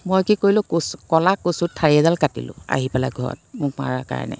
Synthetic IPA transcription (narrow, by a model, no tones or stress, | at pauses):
mojkikojlʊ̃kskɔlakosutʰːaɹiɛzalkatḭlʊ̰̃a̰ɦipɛla̰ɡʱɔɹɔ̰t̚mʊkma̰ɹaka̰ɹ̰nɛ̰